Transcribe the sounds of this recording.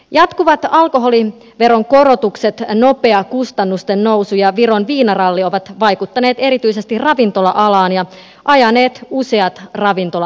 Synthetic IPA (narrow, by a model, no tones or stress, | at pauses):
jɑt̪kuʋɑt̪ɑlko̞ɦo̞li | ʋe̞ɾo̞ŋko̞ɾo̞t̪ukset̪no̞pe̞ɑkust̪ɑnːust̪enːowsujɑʋiɾonʋiːnɑrɑlːio̞ʋɑt̪ʋɑjkut̪ːɑne̞ːt̪e̞ɾit̪yise̞st̪irrɑʋint̪o̞lɑʔɑlɑːnjɑ | ʔɑjɑneːt̪useɑt̪rɑʋint̪olɑ